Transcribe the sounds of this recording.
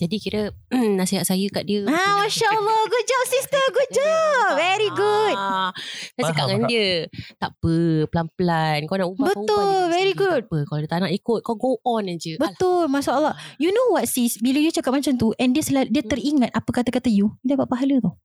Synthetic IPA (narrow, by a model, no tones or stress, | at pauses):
d͡ʒadikiɾə | naʔsiɦaʔsajəkaʔdiəamaʃaəlːɔɡut̪̚d͡ʒɔp̚sistəɡut̪̚d͡ʒɔp̚vɛɾiɡut̚ | t̪asikaŋandiət̪aʔpəpəlanpəlankawnaʔubabət̪ʊlvɛɾiɡut̚pəkawdət̪aʔnaʔikʊt̪̚kawɡoʔɔnad͡ʒəbət̪ʊlmaʃaʔəlːɑhjunõwɔt̪̚sisbiləjut͡ʃakap̚mat͡ʃamt̪uʔɛndiəsəlahdiət̪əɾiŋãt̪̚apəkat̪akat̪ajuidapaʔ̚paɦalət̪ɔ